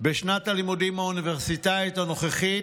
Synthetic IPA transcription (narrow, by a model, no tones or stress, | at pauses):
beʃnat̪alimudimhauniveʁsit̪aet̪ano̞χeχi